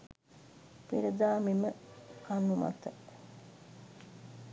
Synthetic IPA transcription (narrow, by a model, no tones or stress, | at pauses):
piɾəd̪aːmiməkanːuma̰t̪ə